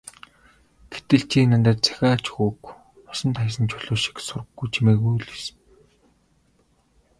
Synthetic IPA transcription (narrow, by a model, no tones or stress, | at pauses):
ɡ̥et̪ɘ̆ɬt͡ɕʰiːnant̪aːt̪t͡sʰæ̥xʲaːt͡ɕxuk | ɔsɞ̆nt̪χas̬ə̆nt͡ɕʰʊɮʊːʃi̥ksʊrə̆ɡːujt͡ɕʰimeːkujɮisɘ̥̆n